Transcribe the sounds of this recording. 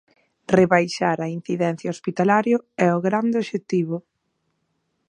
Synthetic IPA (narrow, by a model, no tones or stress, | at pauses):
reβajʃaɾɐin̟θiðɛn̟θjaospit̪alaɾjoɛʊɣɾand̪ɪoʃet̪iβʊ